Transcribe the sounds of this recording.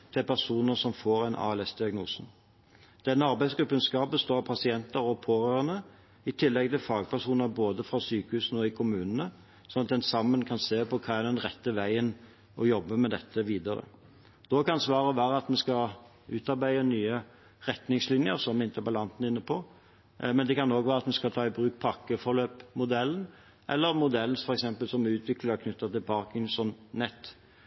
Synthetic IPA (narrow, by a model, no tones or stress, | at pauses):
t̪ʰɪlpʰæʁʂuːnəsɔmfoːɾæɪnʔɑ̰ːɛlɛsd̪ɪɑɡnuːsn̩ | d̪̥ɛnːəɑɾbæɪsɡɾʉpːʉnskɑːp̚bəst̪oːɾpʰɑsɪɛnt̪əɾɔpʰoːʁøːʁənə | ɪt̪ʰɪlːɛɡ̚t̪ɪlfɑːɡpʰæʁʂuːnəɾboːd̪əfʁɑsyːkəhʉːsn̩ɔɪkʰʊmʉːnənə | sɔnɑt̪̚d̪ɛnsɑmːənkʰɑnseːpɔkʰɑːɛd̪ɛnʁɛt̪ːəʋæɪən | ʔɔjɔbːəmɛd̪ɛt̪ʰːəʋiːd̪ɑɾə̰ | d̪̥ɔkɑnsʋɑːɾəʋæːɾəɑt̪mɛskɑ | ʉːt̪ɑɾbæɪənyːə | ʁɛt̪nɪŋslɪnjəɾsɔmɪnt̪ʰəbɑlɑnt̪n̩ɪnːəpʰɔ | mɛnd̪ɛkɑnoːɡʋæːɾɑt̪mɛskɑlt̪ʰɑːɪbɾʉːk̚pʰɑkːəfɔɾløːpmʊd̪ɛlːən̩ | ʔɛlːəɾmʊd̪ɛln̩fɔɾɛksɛmpəlsɔmʉːt̪ʰʋɪkləəkʰnʏt̪ːɑt̪ɪlpʰɑːʁkɪŋsɔnnɛt̪ː